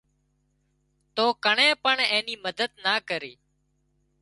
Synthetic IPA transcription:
t̪oːkəɳẽːpəɳẽːniːməd̪əd̪naːkəɾiː

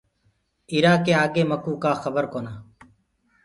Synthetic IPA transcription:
iːɾaːkeːaːɡeːməkuːkaːxəbəɾkoːnaː

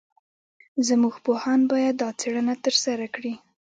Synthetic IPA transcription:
zəmuɡpohɑnbɑjad̪ːɑt͡seɽənat̪əɾsaɾakɽi

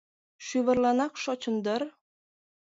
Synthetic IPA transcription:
ʃyβɤ̆rlɑnɑkʃot͡ɕɤ̆nd̪ər

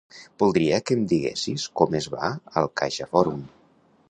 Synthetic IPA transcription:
b̥ulˠd̪ɾiəkəmd̪iɣḛsiskɔmezβa̰əlˠkaʒəfɔɾum

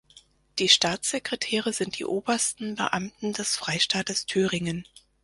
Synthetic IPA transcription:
d̥iːʃtaːt͡sz̥ekʁ̥etʰɛːʁəzɪnt̚d̥ḭːʔoːbɐstn̩bə̰ʔamtn̩d̥ɛsfʁ̥aɪʃtaːtəstʰyːʁɪŋən

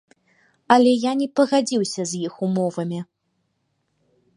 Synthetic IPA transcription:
ɐlʲɛjanʲɛpɐɣad͡zʲiwsʲɐzʲjixumɔvɐmʲi

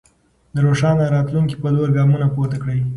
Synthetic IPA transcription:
d̪əɾoʂɑnaɾɑt̪luŋki̥paloɾɡɑmunapoɾt̪akɽəj

